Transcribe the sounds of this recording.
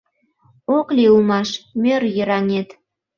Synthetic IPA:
oklʲiulmɑʃmʲørjəɾɑnʲet̪

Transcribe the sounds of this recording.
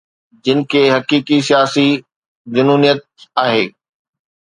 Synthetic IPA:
d͡ʑɪnɪ̆kʰeːɦɐkiːkis̬ijaːsi | d͡ʑʊnuːnijət̪̚aːɦeː

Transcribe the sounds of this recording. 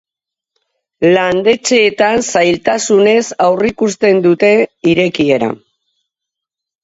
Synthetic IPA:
land̪e̞t͡ʃe̞ːt̪ansajlt̪asune̞sawrikust̪e̞nd̪ut̪e̞iɾe̞kie̞ɾa̰

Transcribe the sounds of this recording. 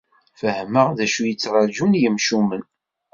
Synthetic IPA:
fəhməʁðæʃujət͡sːɾˤɑd͡ʒunjəmʃumən

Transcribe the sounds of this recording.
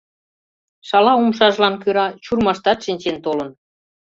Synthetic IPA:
ʃɑlɑumʃɑʒlɑnkɯɾɑt͡ɕurmɑʃt̪ɑt̪ʃinʲt͡ɕent̪olən

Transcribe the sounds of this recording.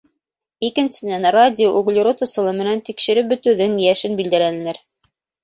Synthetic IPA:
ikɘ̆nsɘ̆nænradʲɪoʔoɡlʲɪɾot̪ɤ̆sɤ̆lˠɤmɘ̆nænt̪ikʃɘ̆ɾɘbɵ̆t̪ʉðɘŋjæʃɘnbild̪ælænɘ̆læɾ

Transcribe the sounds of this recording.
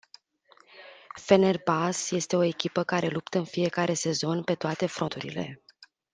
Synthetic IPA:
fe̞nerbasje̞st̪e̞o̞e̞kʲipəkaɾe̞lupt̪əɨnfije̞kaɾʔe̞se̞zo̞npe̞t̪oat̪e̞fɾot̪uɾḭle̞̰

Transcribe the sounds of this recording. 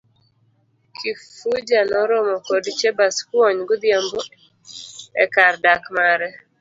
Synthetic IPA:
kʰifud͡ʒanɔɾomɔkodt͡ʃɛbaskwɔɲɡʊd̪jambo | ɛkardakmaɾɛ

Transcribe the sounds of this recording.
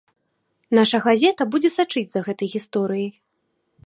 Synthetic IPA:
naʂɐɣazʲɛt̪ɐbud͡zʲɛsat͡ʂɨd͡zʲzɐɣɛt̪ɐjɣʲist̪ɔɾɨjij

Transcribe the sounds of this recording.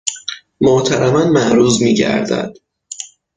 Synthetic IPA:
mot̪ʰæɾæmænmæʔɾuːzmiːɟæ̰ɾd̪æ̰d̪̥

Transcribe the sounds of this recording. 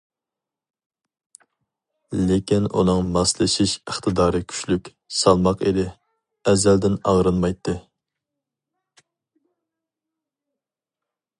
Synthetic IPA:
lekʲinṵnɨŋmɑslˠɨʃiʃəχt̪ʰɨd̪ɑːɾɨkʲʰy̥ʃlykʲ | sɑlˠmɑqed̪ɪ | ɛzæld̪ɪnɑ̰ʁɾɨnmɑjt̪ʰːɨ

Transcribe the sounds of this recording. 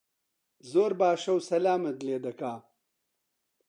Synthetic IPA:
zoːɾbaːʂɐwsɐlaːmɐd̪leːd̪ɐkaː

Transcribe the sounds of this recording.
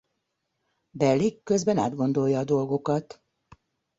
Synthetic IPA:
bɛlːikːø̞zbɛna̰ːd̪ɡo̞nd̪o̞jːɒːd̪o̞lɡo̞kɒt̪

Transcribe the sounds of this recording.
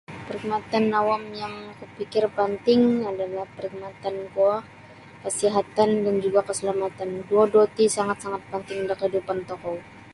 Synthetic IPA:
pəɾik̚mat̪anːawamjaŋkəpikɪrpant̪ɪŋadalahpəɾik̚mat̪ankua | kəsiɦat̪andand͡ʒuɡakəsəlamat̪anduadot̪isaŋat̪̚saŋat̪̚pant̪ɪŋdakəhidupant̪ɔkɔ

